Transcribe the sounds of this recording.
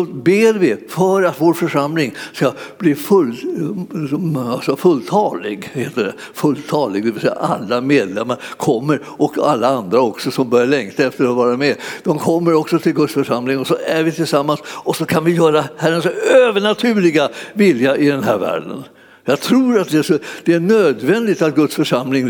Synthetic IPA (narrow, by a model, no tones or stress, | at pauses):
ɔbeːɾvɪfœɾat̪voːɾfœʂamlɪŋskab̥liːfɵl | asɔfɵlːt̪ʰɑːlɪɡheːt̪ːəɖɛ̰ | fɵlt̪ʰɑːlɪɡ̚d̪ɛvɪsɛ̰ja̰ʔa̰lːameːd̪lɛmːaɾkʰɔmːəɾ | ɔka̰lːaand̪ɾaɔksɔsɔmbœɾjaɭɛŋkt̪ʰaɛft̪əɾɔvɑːɾamɛːd̪ɔmkʰɔmːəɾɔksɔt̪ʰɪlɡɵt̪sfœʂamlɪŋɔsɔæɾvɪt̪ʰɪlsamːansɔsɔkʰanvɪjœːɾahæɾənsøːvəɳat̪ʰʉ̟ːɭɪɡavɪljaʔɪd̪ɛnɦæ̰ːɾvæ̰ːɖə̰n | jɑːɡt̪ʰɾuːɾat̪̚d̪ɛæʂɔd̪̥ɛæɳøːd̪vɛnd̪ɪt̪at̪̚ɡɵt̪sfœʂamlɪŋ